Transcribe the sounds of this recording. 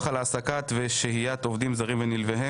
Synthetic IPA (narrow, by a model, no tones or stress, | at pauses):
χalaːsakat̪veʃehijat̪ovd̪imzaʁimvenilveɦe